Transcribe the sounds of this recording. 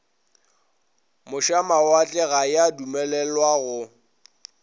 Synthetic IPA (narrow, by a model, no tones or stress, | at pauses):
mʊʃamawat͡ɬʼɛɣajadumɛlɛlwaɣʊ